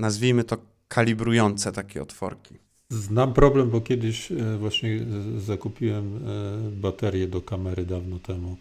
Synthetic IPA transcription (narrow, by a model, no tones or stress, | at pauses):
nazvʲijmɘt̪ɔ | kʰalʲibɾujɔnt̪sɛt̪akʲɛ̰ɔ̰t̪fɔ̰ɾkʲi | znampɾɔblɛmbɔkʲjɛd̪ɘɕvwaɕɲɛzakupʲiwɛm | bat̪ɛɾʲjɛd̪ɔkamɛɾɘd̪avnɔt̪ɛmu